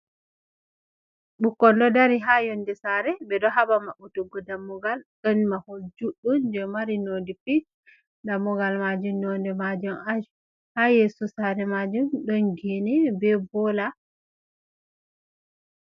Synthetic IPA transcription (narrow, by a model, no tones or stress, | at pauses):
ɓukːɔndɔdaɾiɦajondɛsaɾɛbɛɗɔɦabamaʔutuɡɔdamːuɡalɗɔnmahod͡ʒuɗund͡ʒɛmaɾinodifi | damːuɡalmad͡ʒumnɔndɛmad͡ʒumad͡ʒ | hajesusaɾɛmad͡ʒumɗɔnɡinɛbɛbɔla